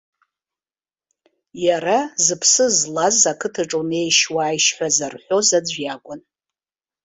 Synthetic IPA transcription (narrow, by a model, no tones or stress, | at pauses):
jaɾazɨpʰsɨzlazakʰɨtʰɨʈ͡ʂʼone̞jʃwaːjʃħʷᶣazarħʷᶣo̞zad͡zʷjakʷʼʊn